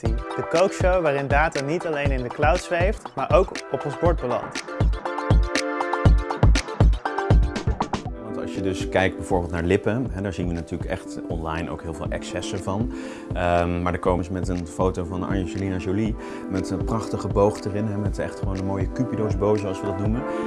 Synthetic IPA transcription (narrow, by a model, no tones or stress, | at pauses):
d̥əkowkʃowʋaːɾɪndaːtaːnitɑlejnɪndəklawtsʋejftmaːɹʔowkɔpɔnzbɔɹd̚bəlɑ̰nt | ʋɑntɑ̰ʃjədɵskɛjk̚d̚bɛjv̥ʊːɹbɪːlˠtnaːɹlɪpəɦɛdaːɹzinʋənatyːɹləkɛ̰χtɔnlɑjno̰wkɦɪːlˠvɪːlˠʔɛ̰ksɛsəɹvɑn | əmmaːɹdəɹkoːmsmɛtənfowtowvɑnɑ̰nʒolinaʒoli | mɛtənprɑχtəχəbowχtərɪnɦɛmɛtɛ̰χtχəʋownənmoːjəkypidowzbowzəɑlˠsʋədɑtnumə